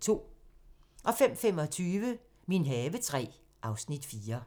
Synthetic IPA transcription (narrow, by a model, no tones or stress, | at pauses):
t͡sʰo̝̰ː | ʔɒ̽fem̰fem̰ɒ̽t͡sʰyːʋə | minɦɛːʋət͡sʰʁɛ̰ː | ʔɑ̈ʊsnid̥fiːɐ